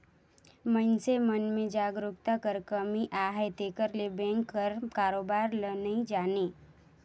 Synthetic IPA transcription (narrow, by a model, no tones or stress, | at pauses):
mənsemənmid͡ʒaɡɾukt̪akəɾkəmiʔaɦet̪ekəɾlebeŋkːəɾkaɾobaɾlənəid͡ʒani